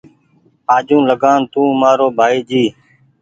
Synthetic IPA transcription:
aːd͡ʒũːləɠaːnt̪ũːmaːɾoːbʱaːiːd͡ʒiː

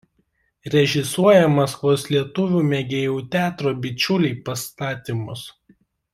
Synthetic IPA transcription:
ɾʲɛʒʲɪsuɔjɛmɐskʋoːslʲiɛt̪ʊʋʲuːmʲɛɡʲeːjuːt̪ʲæːt̪ɾoːbʲɪt͡ʃʲʊlʲɛɪpɐst̪ɑːt̪ʲimʊs

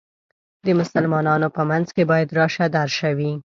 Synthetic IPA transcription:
d̪əmʊsalmɑnɑnopəmanzkebɑjad̪ɾɑʃad̪aɾʃawi

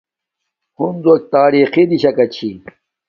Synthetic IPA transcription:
hunzok̚t̪aːɾiːxid̪iɕɐkɐt͡ɕʰi

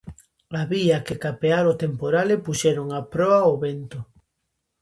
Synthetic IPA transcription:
aβiakekapeaɾot̪empoɾalepuʃɛɾoŋapɾɔaoβent̪ʊ

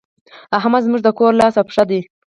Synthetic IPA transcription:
aɦmazmuʐd̪əkoɾlɑsapʂad̪i

